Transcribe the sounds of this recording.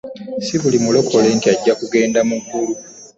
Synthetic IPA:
siβulimulo̞kʰo̞leːntiaɟːakuɡe̞ːndamuɡulu

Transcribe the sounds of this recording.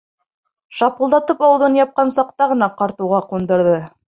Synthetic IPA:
ʃɑpulˠd̪ɑt̪ɤpɑw̆ðɤnjɑp̚qɑnsɑqt̪ɑʁɤ̆nɑqɑɾt̪ŭwʁɑqund̪ɤ̆ɾðɤ

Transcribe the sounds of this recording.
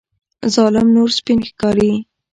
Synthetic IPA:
zɑlɪmnoɾspinxkɑɾi

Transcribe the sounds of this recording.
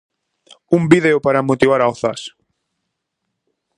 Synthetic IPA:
umbiðeʊpaɾamot̪iβaɾaoθas

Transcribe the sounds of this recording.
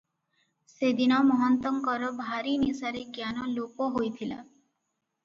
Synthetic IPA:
sed̪inɔmɔɦɔnt̪ɔŋkɔɾɔbʱaɾinisaɾeɡjanɔlokoɦojt̪ʰila̰

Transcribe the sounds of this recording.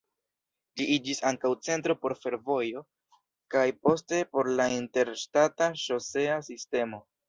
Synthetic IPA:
d͡ʒiʔid͡ʒisaŋkawt͡se̞ntɾo̞po̞ɾfe̞ɾvo̞jo̞ | kajpo̞ste̞po̞ɾlainte̞ɾʃtataʃo̞se̞asiste̞mo̞

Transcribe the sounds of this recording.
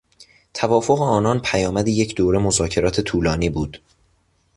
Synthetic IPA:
t̪ʰævɒːfo̞ɣeɒːnɒːnpʰæjɒːmæd̪eje̞cʰd̪oːɾe̞mozɒːcʰe̞ɾɒːt̪ʰe̞t̪ʰuːlɒːniːbuːd̪̥

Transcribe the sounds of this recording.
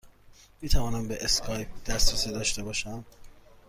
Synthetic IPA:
miːt̪ʰævɒːnæmbeʔeskʰɒːjp̚d̪̥æsɾesid̪ɒːʃt̪e̞bɒːʃæm

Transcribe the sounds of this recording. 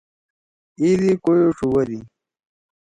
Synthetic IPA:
idikojoʂuwɐdi

